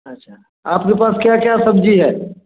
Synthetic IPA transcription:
ɐtːʃʰa | aːpkepaːskjakjasɐbd͡ʒiɦɛː

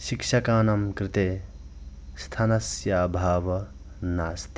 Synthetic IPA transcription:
ʃikʃɐkaːnɐmkɾit̪eː | st̪ʰɐnɐsjaːbʱaːʋɐ | naːst̪i̥

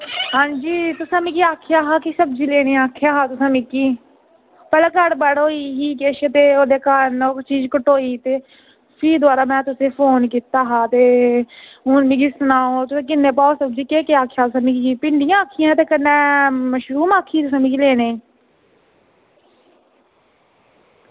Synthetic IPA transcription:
hãːd͡ʒiːt̪ʊsãːmĩːkiaːkʰɪjaːɦaːkisəbd͡ʒiːleːɽeːaːkʰjaːɦaːt̪ʊsãːmĩːkiː | pɛːlaːkəɽbəɽoːiːɦiːkeːʃt̪eːoːd̪eːkaɾnot͡ʃiːzkəʈoːiːt̪eː | pʰɪːd̪ʊaːɾaːmɛ̃ːt̪ʊsẽːpʰoːnkiːt̪aːɦaːt̪eː | ʊːnmĩːɡisənaːoːt̪ʊsẽːk̬ɪnːeːpaːoːsəbd͡ʒiːkeːkeaːkʰjaːt̪ʊsãːmĩkːiːpɪɳɖɪjãːaːkʰijãːt̪eːkənːɛːməʃɾuːmaːkʰiːt̪ʊsãːmĩkileːneːiː

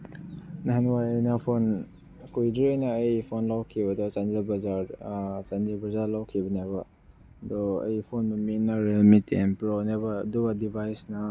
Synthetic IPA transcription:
naɦanwaɾejnapʰon | kojdiojnaːjpʰonlawkʰibɐdɔsanelbɐzaɾsanilbazaɾlawkʰibɐnaba | dɔɐ̰jpʰonmɐminːaɾelmitenpɾonebaːduɡadibʱajsnɐ

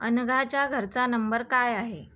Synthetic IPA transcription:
ənɡʱat͡ɕjaɡʱəɾt͡sanəmbəɾkajaɦe

